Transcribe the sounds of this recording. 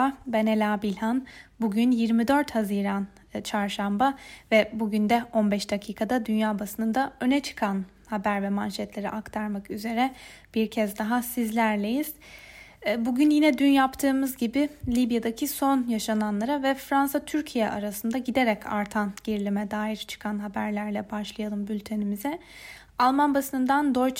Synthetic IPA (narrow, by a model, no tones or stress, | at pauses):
abenelʲaːbilʲhanbuɟynjiɾmid̪ø̞ɾt̪haziːɾan | t͡ʃʰaɾʃambavɛbuɟynd̪ɛo̞nbɛʃd̪acʰiːkʰad̪ad̪ynjaːbasɯnɯd̪aø̞nɛt͡ʃʰɯ̥kʰan | habæɾvɛmanʲʃɛt̪lʲe̞ɾḭʔakt̪ʰaɾmakyze̞ɾɛb̥iɾcʰɛzd̪aɦasizlʲæɾlʲe̞jiz̥ | buɟynjinɛd̪ynjapt̪ʰɯːmɯzɟibɪlʲibjad̪acʰiso̞njaʃananlˠaɾavɛfɾansat̪ʰyɾcʰijɛ̰ʔaɾasɯnd̪aɟid̪eɾɛcʰa̰ɾt̪ʰanɟiɾlʲimɛd̪aːjiɾt͡ʃʰɯ̥kʰanɦabæɾlʲæɾlʲɛbaʃlˠajalˠɯmbylʲt̪ʰe̞nimizɛ | alˠmanbasɯnɯnd̪and̪oɾt͡ʃ